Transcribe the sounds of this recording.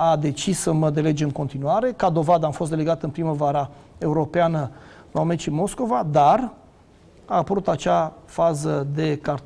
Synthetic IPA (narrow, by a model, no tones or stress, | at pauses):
ad̪e̞t͡ʃisːəməd̪e̞le̞d͡ʒeɨŋko̞nt̪inuaɾe̞kad̪o̞vad̪əamfost̪d̪eleɡat̪ɨnpɾiməvaɾa | e̞uɾo̞peanə | aomeʃimo̞sko̞vad̪ar | aːpəɾut̪at͡ʃafazəd̪e̞kart̪